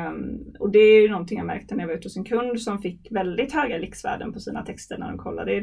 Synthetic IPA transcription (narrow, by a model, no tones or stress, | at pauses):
ɔd̪ɛæɾjɵnɔnt̪ʰɪŋjamæ̰ɾk̚t̪ənæɾjavɾʉ̟ːt̪ːsɪnkʰɵnd̪sɔmfɪkːvɛld̪ɪt̪hœːɡalɪksvæ̰ːɖə̰npʰɔsiːna̰t̪ʰɛkst̪əɾɳæ̰ɖɔmkʰɔlːa̰d̪ə